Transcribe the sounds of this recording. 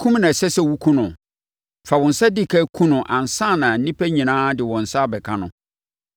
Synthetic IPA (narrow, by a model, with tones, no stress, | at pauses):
kʰũ˦mnã˨sɛ˦sɛ˦wu˦kʰũ˦nʊ̃˨ | fa˨wɔ̃˨n̩˨sa˦di˦˨kʰa˦kʰũ˦nʊ̃˨ʔã˨n˨sã˦˨nã˨n̩˦nĩ˦pʰæ˦ɲĩ˨nãː˦dɪ˨wɔ̃˨n̩˨sa˦˨bɛ˨kʰã˦nʊ̰̃˨